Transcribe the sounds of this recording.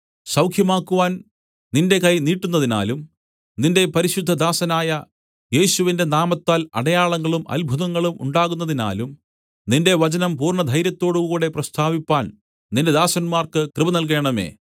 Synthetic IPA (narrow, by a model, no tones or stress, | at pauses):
sɐwkʰjɐmaːkːuʋaːn | ninde̞kɐjniːʈːunːɐðina̰ːlum | ninde̞pɐɾiɕud̪ʱːɐd̪aːsɐnaːjɐ | je̞ːɕuʋinde̞naːmɐt̪ːaːlɐ̰ɽɐjaːɭɐŋːɐɭumʔɐ̰lbʱuðɐŋːɐɭumṵɳɖaːɣun̪ːɐðina̰ːlum | ninde̞ʋɐt͡ɕɐnɐmpuːrɳɐd̪ʱɐjɾjɐt̪ːo̞ːɽukuːɽe̞prɐst̪ʰaːʋipːaːn | ninde̞d̪aːsɐnmaːrkɨkrɨbɐnɐlk̬e̞ːɳɐme̞̰ː